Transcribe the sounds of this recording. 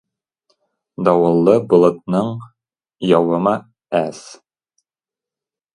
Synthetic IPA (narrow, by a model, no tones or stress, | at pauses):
d̪ɒwɤ̆lˠːɤbŏlˠɤ̆t̪̚nɤɴ | jɒwɤ̆mɑ | æs